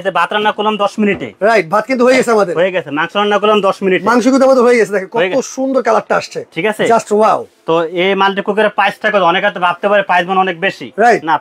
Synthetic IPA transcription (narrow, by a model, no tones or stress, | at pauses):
t͡ɕʰebʱat̪ɾanːakulamd̪ɔʃminiʈḛɾajʈ̚bʱat̪̚kint̪uɦojeɡɛt͡ɕʰeamad̪eɾɦoeɡɛemaŋʃoɾanːakulamd̪ɔʃminiʈemaŋʃokut̪abat̪̬oɦojeɡɛt͡ɕʰed̪ɛkʰekɔeɡ̪oʃund̪oɾkalak̚ʈaaʃt͡ɕʰeʈʰikat͡ɕʰed͡ʑasʈwawt̪oemalʈ̬ikuk̬eɾepajsʈʰakoɔnekɦat̪̬obʱab̚t̪epaɾepajsbʱonɔnek̚beʃḭɾajʈna